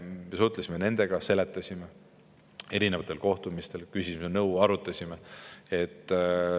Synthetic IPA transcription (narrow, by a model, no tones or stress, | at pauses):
mesut̪lesʲime̞ne̞nd̪̥e̞ɡ̥ɑse̞le̞t̪ːˑɑsʲime | e̞ɾinevɑt̪ːˑe̞lko̞ht̪umist̪e̞lkysʲismenɤwɑɾut̪ːˑɑsʲimee̞t̪ː